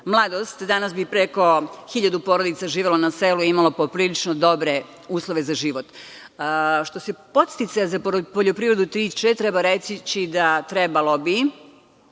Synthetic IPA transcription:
mlˠad̪o̞st̪d̪anasbipɾeko̞xiʎad̪upo̞ːɾo̞d̪it̪saʒiːʋelo̞naseːluimalo̞popɾiːlit͡ʃnod̪o̞bɾe | uːslˠoʋe̞zaʒiːʋo̞t̪ | ʃt̪o̞se̞po̞t̪st̪it̪sajzapoʎo̞pɾiːvɾe̞d̪ut̪ɾiːt͡ʃet̪ɾebaɾesit͡ɕid̪at̪ɾebalo̞bi

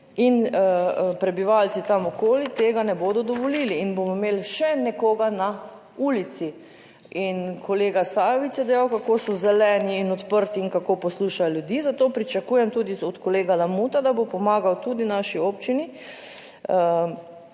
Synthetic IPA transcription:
in | pɾɛbiʋaːlt̪sit̪amɔkoːlit̪eːɡanɛboːd̪ɔd̪ɔʋɔliːliːnbomɔmeːlʃɛnɛkoːɡana | uːlit̪si | inkʰoleːɡasaːjɔʋit̪sjɛd̪ɛjawkakoːsɔzɛlɛːniːnɔt̪pəɾt̪iːnkakopɔsluːʃajoljud̪iːzat̪oːpɾit͡ʃakuːjɛmt̪uːd̪iɔt̪kɔleːɡalamut̪ad̪abopɔmaːɡawt̪uːd̪inaʃioːpt͡ʃini | ə

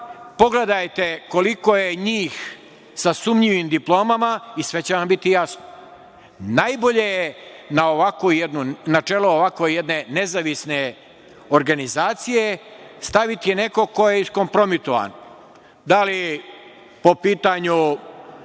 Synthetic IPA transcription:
po̞ɡle̞d̪ajt̪e̞ko̞likojeɲiːx | sasumʎiʋimd̪iplˠo̞ːmamaisʋe̞t͡ɕeʋambit̪ijasno | najbo̞ʎe̞jenaoʋakojed̪nunat͡ʃeːloːʋakʋojed̪ne̞ne̞zaʋisne̞ | oɾɡanizaːt̪sije̞st̪aʋit̪ijene̞ko̞ko̞je̞isko̞mpɾo̞mit̪oʋa̰n | d̪ali | po̞piːt̪aɲu

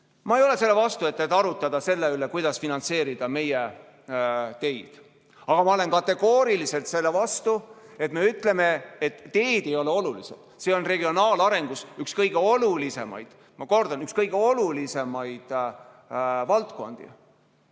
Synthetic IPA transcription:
mɑejo̞le̞se̞lːevɑst̪uet̪ːˑet̪ːˑɑɾut̪ːˑɑd̪ɑse̞lːeylekujd̪̥ɑsfinɑnt̪se̞ːɾid̪̥ɑme̞je | t̪e̞jd̪̥ | ɑɡ̥ɑmɑo̞le̞nkɑt̪ːe̞ɡ̥o̞ːɾilise̞lt̪se̞lːevɑst̪u | e̞t̪me̞yt̪ˑle̞me̞et̪ːe̞ːd̪̥e̞jo̞leo̞lulised̪̥se̞o̞nre̞ɡio̞nɑːlɑɾe̞ŋɡ̥usykskɤjɡ̥e̞o̞lulise̞mɑ̰jd̪̥ | mɑko̞rd̪̥ɑnykskɤjɡ̥eo̞lulise̞mɑjd̪̥ | vɑlt̪ko̞̰nd̪̥ḭ

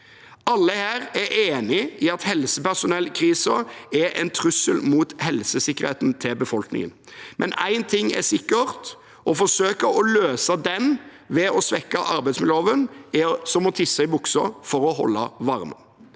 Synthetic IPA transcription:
ɑlːəhæːɾæʔeːnɪɪɑt̪hɛlsəpæʂʊnɛlːkʰɾiːsɑɛʔɛ̰ɪnt̪ʰɾʉsəlmuːt̪hɛlsəsɪkːəʁɾhḛːt̪nt̪ʰɪlbəfɔlknɪ̰ŋə̰n | mʔɛ̰næ̰ɪnt̪ʰɪŋːæ̰sɪkːəʁt̪ | ʔɔfɔsøːkəɾɔløːsɑd̪ɛn | ʋɛɔsʋɛkːɑʔɑɾbæɪtsmɪloːʋənɛsɔmɔt̪ʰɪsːɑɪbʊksəfɔɾɔhɔ̰lːɑʋɑʁmə̰

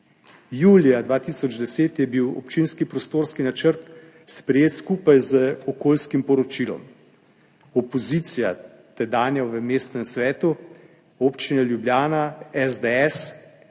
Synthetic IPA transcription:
juːlijad̪ʋaːt̪iːsɔd͡ʒd̪ɛseːt̪jɛbiwɔ̰pt͡ʃinskipɾɔst̪oːɾskinat͡ʃəɾt̪ | spɾɛjeːt̪skuːpajzəɔkoːlskimpɔɾɔt͡ʃiːlɔ̰m | ɔpɔzit̪sija | t̪ɛd̪aːnjɛʋəmeːst̪nɛmsʋɛːt̪u | oːpt͡ʃinɛljubljaːnaɛzd̪eɛs

